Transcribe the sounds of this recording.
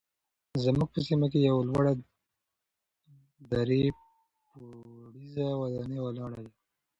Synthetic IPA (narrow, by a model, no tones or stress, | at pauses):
zamuɡ̚pəsimakejawalwaɽa | d̪aɾe | puɽizawad̪ɑnewalɑɽaja